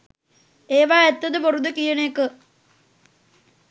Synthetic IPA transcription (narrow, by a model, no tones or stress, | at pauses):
eːʋaːet̪ːɐðɨporud̪ukijɐɳeːkːɨ